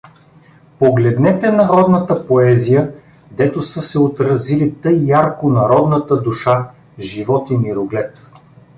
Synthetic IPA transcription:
poɡlɛd̪nɛt̪ɛnɐɾɔd̪nɐt̪əpoɛzijə | d̪ɛt̪osɤsɛot̪ɾɐzilit̪ɤjːaɾkʊnɐɾɔd̪nɐt̪əd̪uʃa | ʒivɔt̪iniɾʊɡlɛt̪

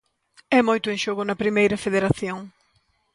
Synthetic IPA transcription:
ɛmojt̪ʊẽŋʃoɣʊnɐpɾimejɾɐfeðeɾaθjoŋ

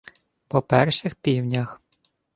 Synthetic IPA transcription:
pɔpɛrʃɪxpʲiwnʲɐx

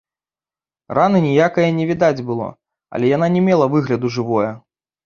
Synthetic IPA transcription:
ranɨnʲijakɐjɐnʲɛvʲid̪ad͡zʲbɨlˠɔ̰ | ɐ̰lʲɛjananʲɛmʲɛlˠɐvɨɣlʲɐd̪uʐɨvɔjɐ

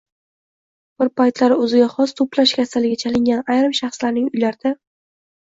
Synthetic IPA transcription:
b̥ɪɾpʰajt̪laɾɪɵzɪɡʲaχɒst̪ʰoplaʃkʲʰasalɪɡʲat͡ʃʰalɪŋɡʲanajɾɪmʃɑχslaɾnɪŋʊjlaɾɪd̪̥a

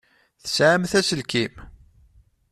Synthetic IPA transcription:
θə̥sʕəmθæsəlkim

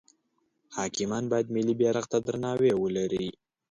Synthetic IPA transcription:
hɑkɪmɑnbɑjad̪mɪlibjɑɾaɣt̪ad̪ɾanɑwewəlaɾi

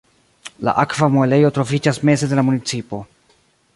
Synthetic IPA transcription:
la̰ʔakvamo̞le̞jo̞tɾo̞vid͡ʒasme̞ze̞de̞lamunit͡sipo̞

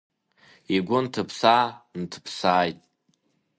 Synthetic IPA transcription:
iɡʷʊntʰɨpʰsaːntʰɨ̥pʰsaːjtʼ

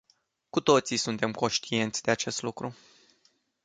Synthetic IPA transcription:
kut̪o̞t̪sisunt̪e̞mko̞nʃt̪ie̞nt̪sʲd̪e̞at͡ʃe̞st̪lukɾu

